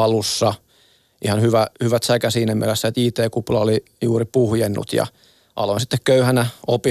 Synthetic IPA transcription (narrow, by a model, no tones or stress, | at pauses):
ɑlusːɑ | ʔihɑnhyʋæhyʋæt̪sækæsiːnæmḭælesːæet̪iːt̪eːkuplɑoli | juːripuhjenːṵt̪jɑ̰ | ʔɑ̰loinsit̪ːekkøyhænæopi